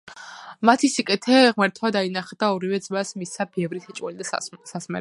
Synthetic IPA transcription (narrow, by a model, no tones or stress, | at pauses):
mat̪ʰisikʼɛt̪ʰɛʁmaɾt̪ʰwad̪ainaχɛd̪aɔɾivɛd̪zmasmisabɛvɾit̪ʰɛt͡ʃʼwɛlid̪asasmɛ̰